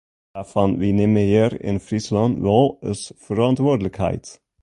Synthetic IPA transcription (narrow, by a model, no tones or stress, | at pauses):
æfɑnʋinɛməjəɾḛnfɾɪslɑnʋɔləsfœɾɑnt̪ʋoːdlɪɡhḛɪt̪